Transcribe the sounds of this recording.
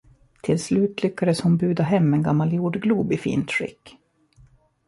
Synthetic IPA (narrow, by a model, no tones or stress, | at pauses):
t̪ʰɪlslʉ̟ːt̪lʏkːad̪əshʊnbʉ̟ːd̪aɦɛmːɛnɡamːaljuːɖɡluːbɪfḭːnt̪ʂɪ̰kː